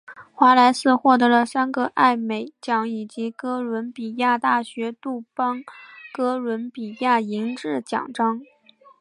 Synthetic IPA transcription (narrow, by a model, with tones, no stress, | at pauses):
xwa˧˥la˧˥ɪsɹ̩˥˧xwɔ˥˩t̪̬ɤ˧˥lə˧sa˥nɡə˧ʔa˥˩ɪme˨˩ɪt͡ɕjɑ˨˥˩ŋi˨˩t͡ɕi˧˥kɤ˥lwə˧˥npi˨˩ja˥˧t̪a˥˩ɕɥɛ˧˥t̪u˥˩pɑ˥ŋkɤ˥lwə˧˥npi˨˩ja˥˩i˧˥ŋʈ͡ʂɻ̩˥˩t͡ɕjɑ̰˨˩ŋʈ͡ʂɑ˥ŋ